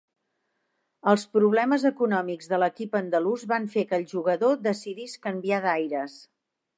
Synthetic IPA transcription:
əlˠspɾuβlɛməzəkunɔmiɡzðələkipənd̪əluzβaɱfekəlˠʒuɣəðod̪əsiðiskəmbiaðajɾəs

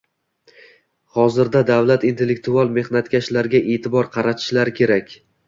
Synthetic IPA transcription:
hɒzɪɾd̪ad̪avlat̪int̪ʰe̞lːek̚t̪ualˠme̞hnat̪kʲaʃlaɾɡʲaʔet̪ʰɪbɒɾqʰɑɾat̪ʰɪ̥ʃlaɾɪkʲʰe̞ɾakʲ

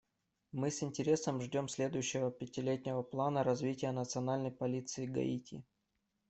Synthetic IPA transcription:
mɨsɪnʲtʲɪɾʲe̞səmʐdʲo̞msʲlʲe̞d̪ʊjʉɕːɪvəpʲɪtʲɪlʲetʲnʲɪvəplˠanəɾɐzvʲitʲɪjənət̪sɨɐnalʲnəjpɐlʲit̪sɨɪɡɐ̰itʲḭ

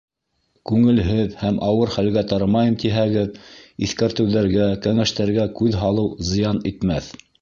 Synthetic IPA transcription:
kʉŋɘ̆lɦɘðhæmʔɑwɤɾχælɡæt̪ɑɾɑmɑjɤmt̪iɦæɡɘðiθkæɾt̪ɘ̆wðæɾɡækæŋæʃt̪æɾɡækʉðɦɑlˠɤwzɤ̆jɑnit̪mæθ

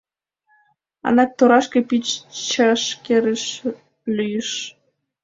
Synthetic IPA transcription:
ɑ̰nɑk̚t̪oɾɑʃkĕpit͡ɕt͡ɕɑʃkeɾəʃ | lʲyjəʃ

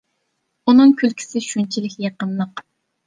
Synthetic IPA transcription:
unɨŋkʲʰylkʲʰi̥sɪʃunt͡ʃʰilɪkʲjeqənlˠəq

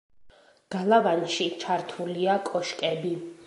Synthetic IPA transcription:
ɡ̥alˠavanʃit͡ʃʰaɾt̪ʰuliakʼɔʃkʼɛbi

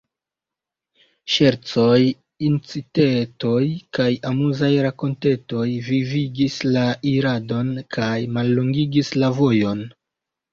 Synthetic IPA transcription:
ʃe̞ɾt͡so̞j | int͡siteto̞jkajamuzajɾako̞nte̞to̞jviviɡislaʔiɾado̞nkʰajmalːoŋɡiɡislavo̞jo̞n

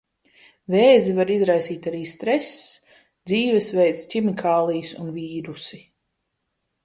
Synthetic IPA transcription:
veːzivaɾizɾajsiːt̪aɾiːst̪ɾɛs | d̪ziːvɛsvɛjt̪sʲcʲimikʰaːlˠijsunviːɾusi

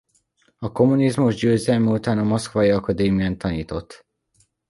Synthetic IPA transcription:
ɒko̞munizmuʒɟøːzɛlmyut̪aːnɒmoskʋɒjiɒkɒd̪eːmiant̪ɒniːt̪o̞t̪ː

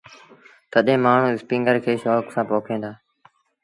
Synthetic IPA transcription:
t̪əɗẽːmaːɳ̤ũːɪspĩːŋɡəɾkʰeːʃoːksãːpoːkʰẽːnd̪aː

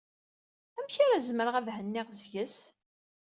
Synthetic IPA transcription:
æmçaɾazməɾəʁævhənːɪʁzjəs

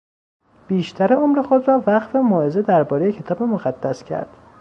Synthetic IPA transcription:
b̥iːʃt̪ʰæɾeomɾe̞xo̞d̪rɒːvæqfemɒːʔe̞ze̞d̪æɾbɒːɾejecʰe̞t̪ɒːbemoɣæd̪̥ːæscʰæ̰ɾd̪̥

